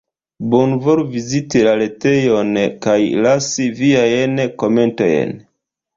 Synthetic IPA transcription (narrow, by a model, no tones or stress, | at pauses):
bonvoɾvizitilale̞te̞jonkajlasiviajnko̞me̞nto̞̰jḛn